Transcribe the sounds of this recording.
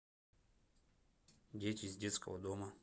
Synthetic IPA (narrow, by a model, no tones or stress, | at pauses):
dʲetʲizʲdʲet̪skə̰vəd̪omɐ